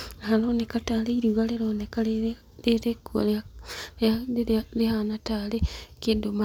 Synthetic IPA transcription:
aɦaloːnekataːleiɾiɣaleɾoːneka | leɾekṵ | alehanatalekidoma

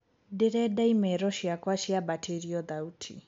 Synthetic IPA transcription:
dɛɾɛdaimɛɾɔʃiakwaʃiabatʰeɾiɔd̪autʰḭ

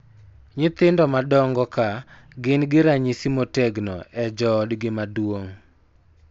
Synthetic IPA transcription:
ɲɪt̪ɪndɔmadɔŋɡɔka | ɡɪnɡɪɾaɲisimotɛɡnɔ̰ʔɛd͡ʒɔdɡɪmadwoŋ

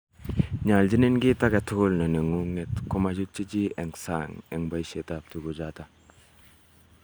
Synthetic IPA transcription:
ɲald͡ʒinenɡitaɡatʰolnɐnɯŋuŋetkʰɔmazuk̚t͡ʃid͡ʒieŋsa̰ŋeŋbajsetap̚tʰuɡuzata

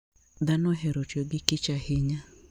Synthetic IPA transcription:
d̪anɔɦɛɾɔt͡ʃɔɡɪkɪt͡ʃahɪɲa

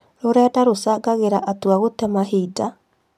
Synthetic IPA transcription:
ɾoɾɛːdaɾosaɡaɣeɾaʔatwaɣotɛmaɦeida

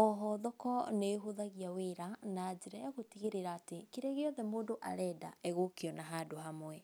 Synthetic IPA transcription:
ɔɦɔðɔkɔneɦoðaɣiaweɾanaːd͡ʑeɾaaɣotiɣeɾeɾaːtekeɾeɣeɔðɛmoːdoʔa̰ɾɛːdaɛɣokeɔnaɦadoɦamwɛ

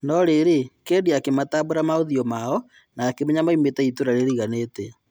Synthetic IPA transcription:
nɔɾeɾekeːdiakemataboɾamaoðiɔmaɔ | naːkemɛɲamaimetɛitoɾaɾeɾiɣanetɛ

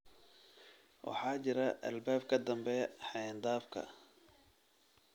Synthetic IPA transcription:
wʔɑ̰ħɑːt͡ʃɪɾɐʔɐ̰lbaːb̚kʰɐd̪ɐmbɛħɑnd̪aːfkʰɐ̰

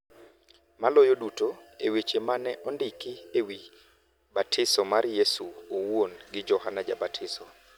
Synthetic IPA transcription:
malojodutoewet͡ʃemanɛʔɔndɪkɪewi | batʰɪsɔmaɾjesuowwonɡɪd͡ʒɔhanad͡ʒabatʰɪsɔ

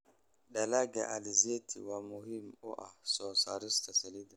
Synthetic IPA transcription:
ɗalaɡa̰ʔalizetʰḭwamuhimɔʔa̰sɔsaɾist̪asalid̪a

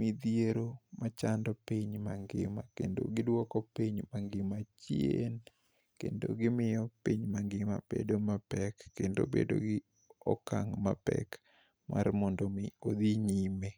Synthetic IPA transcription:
mid̪jeɾomat͡ʃandɔpiɲmaŋɡɪ̰makḛndo̰ɡɪdwɔkɔpiɲmaŋɡɪmat͡ʃjen | kendo̰ɡɪmɪjɔpiɲmaŋɡɪmabḛdomapɛkːendo̰bḛdo̰ɡɪ | ɔ̰kaŋmapɛ̰k | ma̰rmɔndomɪod̪iɲime

